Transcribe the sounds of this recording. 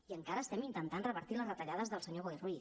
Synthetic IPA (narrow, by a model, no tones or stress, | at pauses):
iəŋkaɾəːst̪ɛmint̪ənt̪anrəβəɾt̪iləzðət̪əʎaðəzðəlˠsəɲoɣojrwi